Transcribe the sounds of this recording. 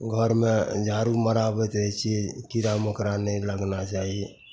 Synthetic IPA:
ɡʱəɾmed͡ʒaɾuməɾabɛt̪ɾəɦɛt͡ʃʰiekiɾaməkɾanɛləɡnat͡ʃaɦie

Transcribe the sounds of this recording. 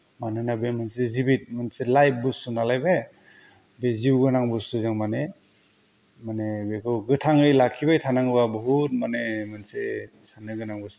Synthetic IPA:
manɯnabemansezibit̚manselajp̚busunalajbe | beziwɡɯnaŋbɯsuzɯŋmane | manebekʰɯwɡɯtʰaŋɯjlakʰːibajtʰanaŋɯbabɔɦut̚manemanse | sanɯɡɯnaŋbɯs

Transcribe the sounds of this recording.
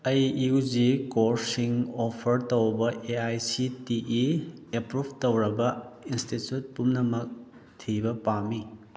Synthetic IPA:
ɐjud͡ʒikoɾsiŋopʰɐɾtowbɐʔeajsitiʔiepɾubʰʱtowɾɐbɐinstitjut̚pumnɐmɐk̚ | tʰibɐpami

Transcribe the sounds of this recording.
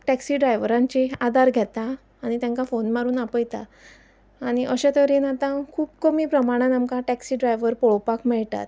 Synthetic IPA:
ʈæksiːɖɾajʋɾãɲt͡ɕead̪aɾɡʱɛt̪aː | ɽ̃it̪jãŋkafonmaɾuːnapəjt̪aː | ɽ̃iʔəɕat̪əɾenat̪ãkʰuːpkəmiːpɾəmaɽ̃ãnamkaʈæksiːɖɾajʋəɾpɔɭpakmɛɭt̪a̰t̪

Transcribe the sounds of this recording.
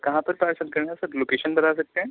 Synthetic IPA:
kɐɦãpɐɾpaːɾsəlkɐɾnasɐbloːkeːʃənbɐnas̬ɐk̚t̪eɦɛ̃ː

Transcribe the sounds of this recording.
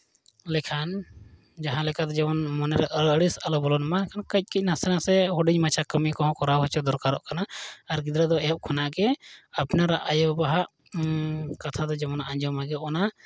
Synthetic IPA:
lɛkʰan | d͡ʒaɦãlɛkad̪ɔd͡ʒɛmɔnmɔnɛɾaʔəəɽisalɔbɔlɔnmalɛkʰankəc̚kic̚nasɛnasɛɦɔɖiɲmat͡ʃʰakəmikɔɦɔ̃kɔɾawɦɔt͡ʃɔd̪ɔɾkaɾɔʔkanaːɾɡid̪ɾad̪ɔɛjɔp̚kʰɔnaʔɡɛapnaɾaʔajɔbaɦaʔ | kat̪ʰad̪ɔd͡ʒɛmɔnaʔãɲd͡ʒɔmaɡɛɔna

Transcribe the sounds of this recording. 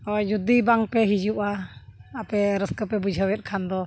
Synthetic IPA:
ɔd͡ʒud̪ibaŋpɛɦid͡ʒuʔaapɛɾəskəpɛbud͡ʒʱawɛt̪̚kʰand̪ɔ

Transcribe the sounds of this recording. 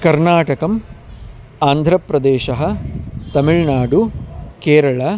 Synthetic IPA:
kɐɾnaːʈɐkɐm | aːnd̪ʱɾɐpɾɐd̪eːʃɐɦɐ̆t̪ɐmiɭnaːɖukeːɾɐɭɐ

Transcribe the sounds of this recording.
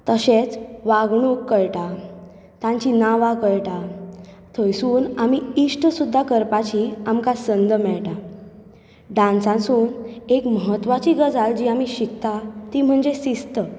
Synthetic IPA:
t̪əɕet͡sʋaɡɳ̃ukːəɭʈa | t̪ãɲt͡ɕinaʋakəɭʈa | t̪ʰəjsuːnamiiʂʈəsud̪ʱːakəɾpat͡ɕiamkasənd̪əmɛɭʈa | ɖãnsãnsuːnekməɦət̪ːʋat͡ɕiɡəd͡zald͡ʑiamiɕikt̪at̪im̤əɳd͡zesist̪ə

